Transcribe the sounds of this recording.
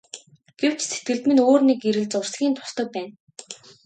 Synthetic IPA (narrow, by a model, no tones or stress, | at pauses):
ɡ̥ew̥t͡ɕse̥t̪̚ɡɘ̆ɮt̪mɘ̆noːrnekeɾɘ̆ɮt͡sʊrsɡʲiːnt̪ʰʊ̥st̪ə̆k̚pæːn